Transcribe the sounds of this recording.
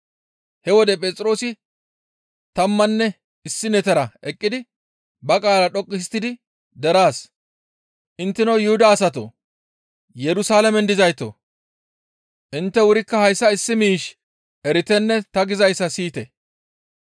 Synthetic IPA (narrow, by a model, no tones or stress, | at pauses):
hɛwɔd̪ɛpʼɛːt͡sʼɪɾo̞ːsɪ | t̪ɐmːɐnːɛ | ɪsːɪnɛt̪ɛɾɐʔɛkʼːɪd̪ɪ | bɐkʼaːlɐɗɔkʼːɪs̬t̪ːɪd̪ɪ | d̪ɛɾaːs | ʔɪnt̪ːɪnɐwjʊhʊd̪aːsɐt̪o̰ | jɛɾʊsaːlɐmɛnd̪ɪzɐjt̪o̰ | ʔɪnt̪ːɛwʊɾɪkːɐhɐjsːɐɪsːɪmiːʃ | ʔɛɾɪt̪ɛnːɛt̪ɐɡɪzɐjsːɐsiːt̪ɛ